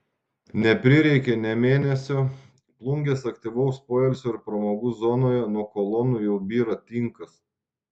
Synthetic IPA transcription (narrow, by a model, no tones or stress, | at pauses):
nʲɛpʲɾʲɪɾʲɛɪkʲɛnʲɛmʲeːnʲɛsʲoː | plˠʊŋʲɡʲeːsɐkt̪ʲiʋɔʊspoːjɛlʲsʲoːɪɾpɾɐmoːɡuːzɔnoːjɛnuɔkoːlˠɔnujɛʊbʲiːɾɐt̪ʲɪŋkɐs